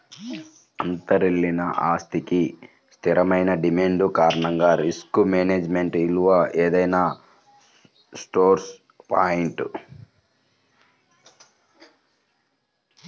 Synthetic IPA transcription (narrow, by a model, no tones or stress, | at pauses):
ɐnt̪ɐɾilːinɐʔa̰ːst̪iki | st̪ʰiɾɐmɐjnɐɖimeɳɖukaːɾɐɳɐŋɡaːɾiskumeːneːd͡ʒme̞ɳʈiluʋɐʔeːd̪ɐjnaː | sʈoːɾs | paːjiɳʈu